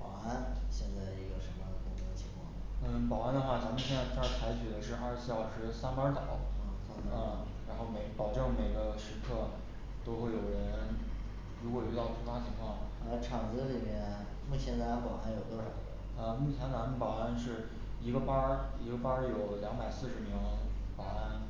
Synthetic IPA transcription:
pɑ˨˩ʊa˥˩nɕjɛ˥˧nt͡sa˥˩ɪi˥˩ɡə˩ʂə˧˥mə˧jd̪ə˩kʊ˨˩t͡su˧˥d̪ə˧t͡ɕʰi˧˥ŋkʰwɑ̰˥˩ŋ | n̩˥˩pɑ˨˩ʊa˥˩nd̪ə˧xwa˥˩t͡sa˧˥mə˧nɕjɛ˥˧nt͡sa˥˧˩ɪ˥˩t͡sʰa˧˥ɪt͡ɕʰy˨˩d̪ə˦ʂɻ̩˥˧a˥˧˥ɕjɑ˥˩ʊʂɻ̩˧˥sa˥npa˞˧˥t̪ɑ˨˩˦ʊ˥˧˩n̩˥˩ | ɻa˧˥nxo˥˩ʊme˨˩ɪɡpɑ˨˩ʊʈ͡ʂɤ˥˩ŋme˨˩ɪɡə˦ʂɻ̩˧˥kʰɤ˥˩ | t̪o˥ʊxwe˥˩ɪjo˨˩ʊɻə˧˥n | ɻu˧˥kwɔ˨˩y˥˧˥t̪ɑ˥˩ʊt͡ɕʰu˧˥fwa˥t͡ɕʰi˧˥ŋkʰwɑ˥˩ŋ | ə˧˩ʈ͡ʂʰɑ˨˩ŋt͡sɤ˧˥˧li˨˩mjɛ˧˥n | mu˥˩t͡ɕʰjɛ˧˥nt͡sa˧˥xɔ˨˩a˧˥ɪjo˨˩ʊt̪wɔ˥ʂɑ˨˩ʊə̰˧˥ | ə˧mu˥˩t͡ɕʰjɛ˧˥na˧˥nmu˥˩pa˨˩ʊa˥˧nʂɻ̩˥˩ | i˧˥ɡə˧pa˥i˧˥ɡə˧pa˥jo˨˩ʊljɑ˧˥ŋba˨˩ɪsɹ̩˥˩ʂɻ̩˧˥mi˧˥ŋpɑ˨˩ʊa˥n

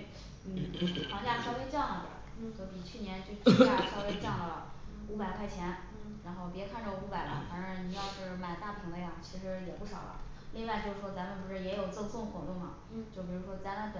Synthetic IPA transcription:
n̩˥n˩pʰwŋt͡ɕja˥˩˧ʂʰpjɛ˥t͡ɕjɑ˥˩ŋlə˨˩d̪ə̰˨˩ | t͡ɕjo˥˩ʊpi˨˩t͡ɕʰy˥˩njɛ˧˥nt͡ɕjo˥˧ʈ͡ʂt͡ɕja˥˧ʂʰɑ˥˧ʊpjɛ˥ɪʈ͡ʂjɑ˥˩ŋd̪ə˩ə˩ | u˧˥pa˨˩ɪkʰwa˥˩ɪt͡ɕʰjɛ˧˥n | ɻa˧˥nxo˥˩ʊpjɛ˧˥kʰa˥˧nʈ͡ʂə˥˩u˧˥pa˨˩ɪlə̰˦fa˧˥n˧˥˩ni˨˩jɑ˥˧ʊt͡ɕjo˥˧ʊʂ̩˥˩ma˨˩ɪt̪a˥˧pu˧pʰi˧˥ŋlə˧˥˧jɑ˥˩ŋt͡ɕʰi˧˥ʂɻ̩˧˥jɛ˨˩pu˥˩ʂɑ˨˩ʊlə̰˦ | li˥˧ŋwa˥˧ɪt͡ɕjo˥˧ʊʂɻ̩˥˩ʂwɔ˥t͡sa˧˥nmə˧pu˧˥ʂɻ̩˥˩jɛ˧˥jo˨˩ʊt͡sɔ˥˧sʊ˥˩ŋxwɔ˧˥t̪ʊ˥˩ŋlɐ̰˩ | t͡ɕjo˥˩ʊpi˨˩ɻu˧˥ʂwɔ˥t͡sa˥˧ɪna˥˩pə˩

